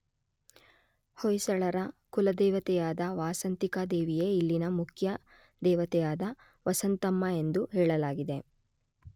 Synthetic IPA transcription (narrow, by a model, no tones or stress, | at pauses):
hojsɐɭɐɾɐkulɐd̪ɛːʋɐt̪ɛjaːd̪ɐʋaːsɐnt̪ikɐd̪eːʋijeilːinɐmukʰjɐ | d̪ɛːʋɐt̪ɛjaːd̪ɐ | ʋɐsɐnt̪ɐmːɐe̞nd̪uɦɛːɭɐlaːɡid̪e̞